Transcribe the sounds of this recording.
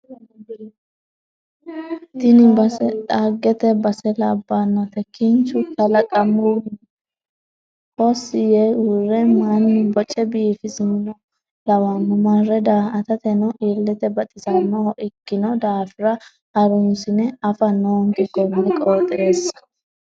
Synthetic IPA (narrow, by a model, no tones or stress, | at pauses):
t̪ɪnɪbɐsɛt̪ʼaɡːɛt̪ɛbɐsɛlɐbːanːɐt̪ɛkːɪnt͡ʃʊk̪ɐlɐkʼɐmːun | hɔsːɪjeurɛmanːɪbɔt͡ʃʼːɛbiːfɪsɪnnɔ | lɐwanʊmarɛd̪aːɐt̪ɐt̪ɛnɔʔiːlːɛt̪ɛbɐt̪ʼɪsɐnːɔʔɪkːɪnɔd̪aːfɪɾɐ | ɐɾʊnsɪnɛɐfɐnoŋɡɪɡɔmːɛkʼoːt̪ʼeːs